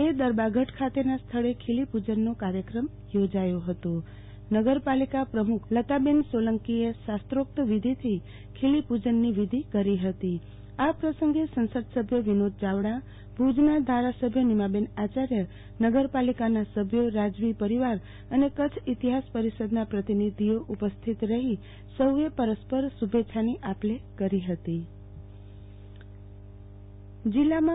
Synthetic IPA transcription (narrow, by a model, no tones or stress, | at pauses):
ed̪əɾbaɡʱəʈkʰat̪enast̪ʰəɭekʰelipud͡ʒənːokaɾjəkɾəm | jod͡ʒajoɦət̪o | nəɡəɾpalikapɾəmukʰlət̪abensʋoləŋkiesast̪ɾok̚t̪əʋid̪ʱit̪ʰi | kʰelipud͡ʒənːiʋid̪ʱikəɾiɦət̪i | apɾəsəŋɡesə̃nsəd̪səbʱjəʋinod̪̚d͡ʒaʋɽa | bʱud͡ʒnad̪ʱaɾasəbʱjənimabenat͡ʃaɾjə | nəɡəɾpalikanasəbʱjoɾad͡ʒʋipəɾiʋaɾ | ənekət͡ʃʰit̪iɦaspəɾisəd̪napɾət̪inid̪ʱioʔupəst̪ʰit̪ɾəɦi | səwʋepəɾəspəɾsubʱet͡ʃʰaniʔaplekəɾiɦət̪i | d͡ʒilːamã